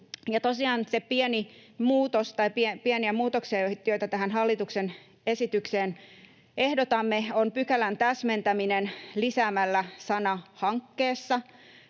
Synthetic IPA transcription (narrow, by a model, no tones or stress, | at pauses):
jɑt̪osiɑːnsepiɛnimuːt̪ost̪ɑipiepiɛniæmuːt̪oksiɑjot̪jojt̪ɑt̪æhænhɑlːit̪uksen | esit̪ykseːn | ehdot̪ɑmːeonpykælænt̪æsment̪æminenlisæːmælːæsɑnɑhɑŋkːeːsːɑ